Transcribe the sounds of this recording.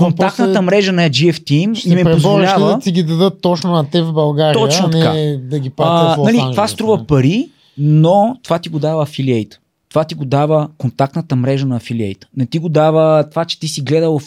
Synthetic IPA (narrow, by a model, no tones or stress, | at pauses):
kontakt̪nət̪əmɾɛʒənɐɛd͡ʒiɛft̪iɛmimɛpɾpozɔolʲavɛəd̪ɐt̪iɡʲid̪ɐd̪ətt̪ːɔt͡ʃnʊɐt̪ɛvbɐlˠɡaɾit̪ɔət͡ʃnɐt̪ɛka̰d̪ɐɡʲip̪ːnɐlitovast̪ɾuvəpɐɾi | not̪ovat̪iɡod̪avɐːfiliɛjt̪ə̥ | t̪ovat̪iɡod̪avəkont̪ak̚t̪nət̪əmɾɛʒənɐːfiliɛ̰jt̪ə̥nɐt̪iɡod̪avət̪ovat͡ʃɛ̥t̪isiɡlɛd̪əlˠf